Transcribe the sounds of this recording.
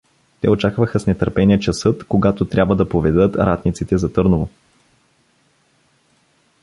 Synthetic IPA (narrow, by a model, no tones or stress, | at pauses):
t̪ɛot͡ʃakvəxəsnɛt̪əɾpɛniɛt͡ʃɐsɤt̪koɡat̪ot̪ɾʲabvəd̪ɐpovɛd̪ɤt̪ɾʔat̪nit̪sit̪ɛzɐt̪ɤɾnovo